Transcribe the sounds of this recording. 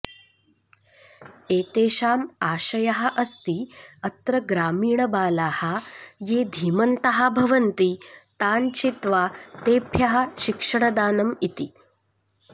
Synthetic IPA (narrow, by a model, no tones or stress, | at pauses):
eːt̪eːʃaːmaːɕɐjɐɦɐʔɐst̪iːɐt̪ɾɐɡɾaːmiːɳɐbaːlaːhajeːd̪ʱiːmɐnt̪ɐɦabʱɐʋɐnt̪it̪aːnt͡ɕit̪ʋat̪eːpʰjɐɦaʃikʂɐɳɐd̪aːnɐmit̪i